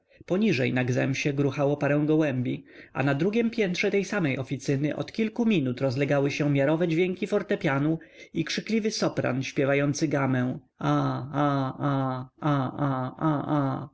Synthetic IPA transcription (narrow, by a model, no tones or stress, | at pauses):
pɔɲiʐɛjnaɡzɛmɕɛɡɾuxawɔpaɾɛw̃ɡɔwɛmbʲia̰nad̪ɾuɡʲɛmpʲjɛnt̪ʂɛt̪ɛjsamɛjʔɔfʲit̪sɘnɘʔɔ̰t̪kʲilkumʲinut̪ɾɔzlɛɡawɘɕɛmʲjaɾɔvɛd͡ʑvʲjɛŋkʲifɔɾt̪ɛpʲjanuikʂɘklʲivɘsɔpɾa̰nɕpʲjɛvajɔnt̪sɘɡamɛ̃ | aaaaaaa